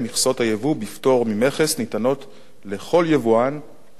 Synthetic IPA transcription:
miχso̞thajevubifto̞ʁmime̞χesnitano̞t | le̞χo̞ljevuan

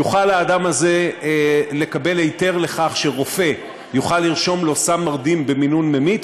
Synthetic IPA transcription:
juχalhaːdamaze̞ | le̞kabe̞lejte̞ʁle̞χaχʃe̞ʁo̞fe̞ | juχalːiʁʃo̞mlo̞samːaʁd̪imbe̞minunmemit̪

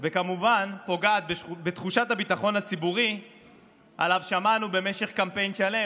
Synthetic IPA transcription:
vekamuvanpo̞ɡaːt̪̚bbet̪χuʃat̪habit̪aχo̞nhat͡sibuʁi | a̰lavʃamanube̞me̞ʃe̞χkampe̞jnʃale̞

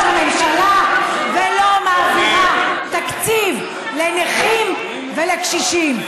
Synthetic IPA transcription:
amemʃalavelomaːviʁat̪akt͡siv | leneχim | velekʃiʃim

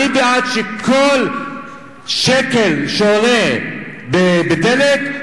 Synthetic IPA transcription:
ibeat̪ʃekʰol | ʃekelʃoonebebed̪elek

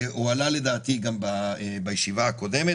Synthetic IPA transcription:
ualale̞d̪aːt̪iɡambabajeʃivaako̞d̪eme

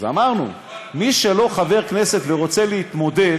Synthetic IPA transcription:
za̰maʁnṵ | miʃe̞lo̞χave̞ʁkne̞se̞t̪veʁo̞t͡seleit̪mo̞d̪e

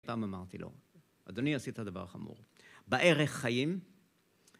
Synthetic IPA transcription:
paːmamaʁt̪ilo̞̰ | a̰d̪oniasithad̪ava̰ʁχa̰mṵʁbaʔeʁeχːajim

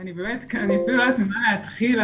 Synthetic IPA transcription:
anibeːmetkaniafiluat̪mimalaːt̪χila

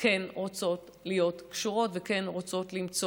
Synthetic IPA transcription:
kenʁot͡so̞t | lijo̞tkʃuʁo̞tveke̞nʁot͡so̞tlimt͡s

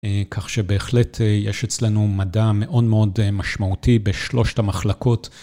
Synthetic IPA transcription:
kʰaχʃebe̞ːχletʰjeʃet͡slenumadame̞ʔo̞dmeo̞dmaʃmautibe̞ʃlo̞ʃtamaχlako̞t

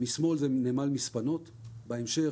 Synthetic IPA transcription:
mismo̞lzenemalmispano̞t̪ | baemʃe

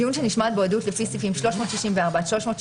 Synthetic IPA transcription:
iunʃeniʃmat̚beodutlefisifimʃlo̞ʃmo̞ːt̪ʃiʃimveaʁbaʃlo̞ʃmo̞ːt

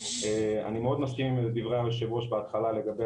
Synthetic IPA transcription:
ea̰nimeo̞d̪naskimmd̪ivʁealeʃevʁoʃbeat̪χalale̞ɡabe

